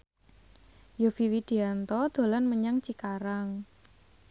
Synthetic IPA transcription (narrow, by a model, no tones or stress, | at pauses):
jofiwid̪̥i̤ant̪ɔd̪̥o̤lanməɲaŋt͡ʃikaɾaŋ